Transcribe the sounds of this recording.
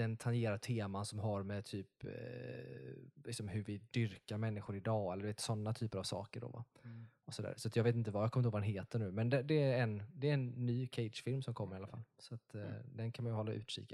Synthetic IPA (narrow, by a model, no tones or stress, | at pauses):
ɛnt̪ʰanjeːɾat̪ʰeːmansɔmɦaɾmɛt̪ʰyːp | lɪksɔmɦɵɾvɪd̪ʏɾkaɾmɛnːɪxɧʊɾɪd̪ɑːɛlːɖɵveːt̪sɔnːat̪ʰyːpəɾavsɑ̰ːkəɖɔ̰va̰ | ɔsɔd̪æ̰ːɾsɔat̪jɑɡveːt̪̬ɪnt̪əvajaɡkʰɔmɪhoːvadɛnɦeːt̪ːəɳʉ̟ːmɛnd̪ɛd̪ɛæɾɛnd̪ɛɾɛnːyːkʰɛɪd̪ʂfɪlmsɔmkʰɔmːəɾɪalːa̰fa̰lːsɔat̪d̪ɛnkʰanmanjʉhɔlːa̰ʔʉ̰ːt̪ʂḭːka